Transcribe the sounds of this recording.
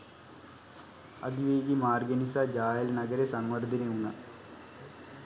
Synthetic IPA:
ɐ̰d̪iʋeːɡimaːrɡɐnisɐd͡ʑaːjɐlnɐɡɐɾesɐŋʋɐrd̪ʱineuɳːɐ

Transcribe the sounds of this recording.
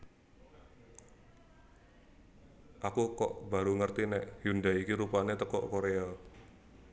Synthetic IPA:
ʔakukɔ̰ʔb̥a̤ɾuŋərt̪inɛʔhundaikiɾupanet̪əkɔ̰ʔkoɾeal

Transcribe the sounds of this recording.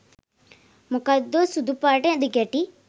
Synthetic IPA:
mukad̪osud̪upaːʈẽd̪iɡeʈi

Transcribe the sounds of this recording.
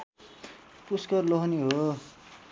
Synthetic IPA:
puskʌrloɦʌniɦo

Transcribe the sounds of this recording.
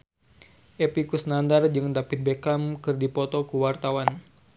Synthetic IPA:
ʔepikusnandard͡ʒɨŋdapit̪̚bekamkɨrdipɔt̪ɔkuwart̪awan

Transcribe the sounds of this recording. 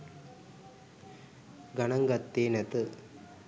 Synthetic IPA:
ɡɐnɐŋɡɐt̪ːeːnɐt̪ɯ

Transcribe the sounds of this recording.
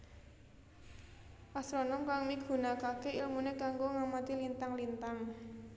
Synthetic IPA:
pasɾonɔmkaŋmiɡ̥ṳnakakeilmunekaŋɡoŋamat̪ilint̪aŋlint̪aŋ

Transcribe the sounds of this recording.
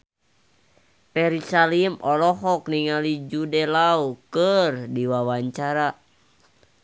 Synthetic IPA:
pɛɾisalimʔɔlɔɦɔkniŋalid͡ʒudɛlaukərdiwawaɲt͡ʃaɾa

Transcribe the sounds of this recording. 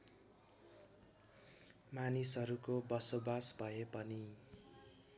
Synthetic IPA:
manisɦʌɾukobʌsobasbʱʌepʌni

